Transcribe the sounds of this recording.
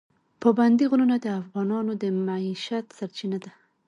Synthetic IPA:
pəband̪iɣulunad̪əafɣɑnɑnod̪əmaiʃat̪saɾt͡ʃinad̪a

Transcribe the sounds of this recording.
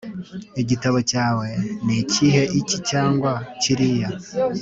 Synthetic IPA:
iɟitaβo̞caːwe̞niciɦe̞ʔicicaːŋɡwaciɾija

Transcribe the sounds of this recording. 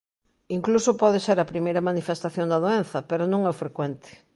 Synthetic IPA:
iŋklusopɔðeseɾɐpɾimejɾɐmanifest̪aθjond̪ɐðoen̟θɐpeɾonõŋɛfɾekwɛnt̪ɪ̥

